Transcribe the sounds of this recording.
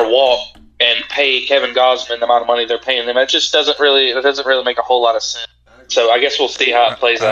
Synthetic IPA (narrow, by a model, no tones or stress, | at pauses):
ə˞wɔk̚ | ɨ̃npʰeɪkʰɛvɨ̃nɡɑzmɨ̃nðəmãñʌvmʌniðə˞pʰeɪɪ̃ŋðɨ̃mɨt̚d̥ʒ̥ʌsd̥ʌzə̃nʔɹɪlˠiɨt̚d̥ʌzɨ̃nʔɹɪlˠimeɪkəhoʊlɑɾʌv̥sɛ̃n | soʊaɪɡɛswilˠsihaʊət̚pʰl̥eɪzæ